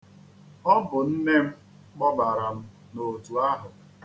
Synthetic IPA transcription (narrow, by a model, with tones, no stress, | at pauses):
ɔ˦bʊ˨n̩˦ne˦m̩˦ | k͡pɔ˦ba˨ɾa˨m̩˦ | no˨tu˨a˦ɦʊ˨